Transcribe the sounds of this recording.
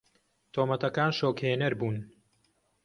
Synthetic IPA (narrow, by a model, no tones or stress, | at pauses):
t̪ʰoːmɐt̪ʰɐkaːnʃoːkheːnɐɾbuːn